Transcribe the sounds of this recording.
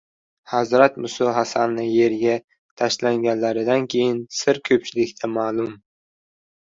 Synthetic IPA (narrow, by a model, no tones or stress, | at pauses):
hazɾat̪mʊsɒɦasanːɪje̞ɾɡʲa | t̪ʰaʃlaŋɡʲanlaɾɪd̪ankʲʰe̞jɪnsɪɾkʲʰɵp̚t͡ʃʰɪlɪkʲt̪ʰamaːlˠʊm